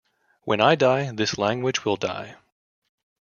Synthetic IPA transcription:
wʔɨ̃naɪdaɪðɪslæ̃ŋɡwɨd͡ʒwɪlˠda̰ɪ

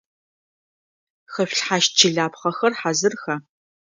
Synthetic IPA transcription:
xɐɕʷᶣɬħaːʃ̚t͡ʃʰɪɮaːpχɐxɐrħazɨrxɐ

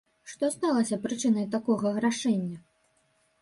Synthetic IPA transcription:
ʂt̪ɔst̪alˠɐsʲɐpɾɨt͡ʂɨn̪ɐjt̪akɔɣɐɣɾaʂɛnʲːɐ

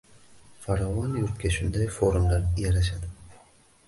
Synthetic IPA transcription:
faɾɒvɒnjuɾt̪̚kʲʰaʃʊnd̪ajfo̞ɾumlaɾjaɾaʃad̪ɪ

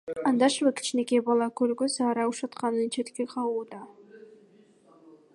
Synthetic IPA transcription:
ɑnd̪ɑʃvɯkʰi̥t͡ʃne̞kebɑlˠɑkøɾɡøsɑːɾɑuʃɑt̪qɑnɯnt͡ʃʰe̞t̪keqʰɑwuːd̪ɑ

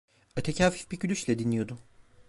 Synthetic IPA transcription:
at̪ʰecʰaːfi̥fbicylʲyt͡ʃlʲɛd̪inlʲijo̞d̪ʊ

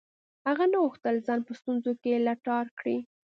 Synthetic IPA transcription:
haɣanaɣuxt̪əlzɑnpəst̪unzokelaʈɑɾkɽi

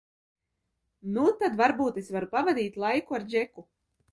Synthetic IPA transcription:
nut̪ad̪vaɾbuːt̪esvaɾupavad̪iːt̪lˠajkuaɾd͡ʒeku

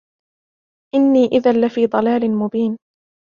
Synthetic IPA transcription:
ʔɪnːiːʔɪðanlɪfiːd̪ˤɑlaːlɪmʊbiːn

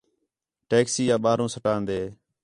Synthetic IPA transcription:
ʈeːksiːjãːɓaːɾõːsəʈaːnd̪eː

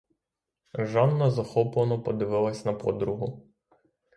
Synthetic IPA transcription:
ʒɑnːɐzɐxɔplˠɐnɔpɔd̪ɪʋɪlˠɐsʲnɐpɔd̪ɾʊɦʊ

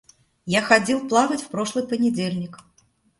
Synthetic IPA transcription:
jaxad͡zʲɛlˠplˠaɣɐt͡sʲwpɾɔʂlˠɨpɐnʲɛd͡zʲelʲnʲik

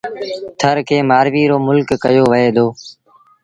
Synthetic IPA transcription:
t̪ʰəɾkʰeːmaːɾʋiːɾoːmʊlkːəjoːʋəɦeːd̪oː

